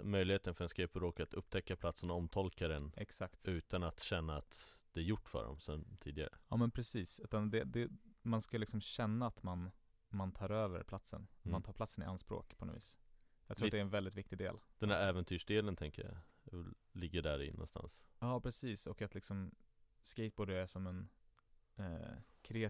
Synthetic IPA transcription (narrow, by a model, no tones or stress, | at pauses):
mœjlɪheːt̪ənfœɖɛnskaepɔɾoːkat̪ɵp̚ːt̪ʰɛkːapʰlat̪sənɔɔmt̪ʰɔlkaɾənʔɛksakt̪ʉ̟ːt̪anat̪ɕɛnːaat̪d̪̥ɛæɾjʊʈːfœ̰ɖɔ̰msɔmt̪ʰiːd̪ɪɡa̰ɾə̰ɑːmɛnpʰɾɛsiːsʉ̟ːt̪and̪ɛd̪ɛmanskalɪksɔmɕɛnːaːt̪man | mant̪ʰɑːɾøːvə̰ɾpʰlat̪sə̰nat̪mant̪ʰɑːpʰlat̪sənɪʔanspɾo̰ːkpʰɔnɔ̰vḭːsjɑɡt̪ʰuːt̪d̪ɛɾɛnvɛld̪ɪt̪vɪk̚t̪ɪɡd̪ḛːld̪̥ɛnæɾɛːvɛnt̪ʰyːʂɖeːlənt̪ʰɛŋkəja̰lːɪɡːəɖæɾɪ̰nːɔ̰nst̪a̰nsjɑːpʰɾɛsiːsɔkat̪lɪksɔm | skɛɪt̪̚boːɖəɾæʂɔmɛnː | kʰɾɛa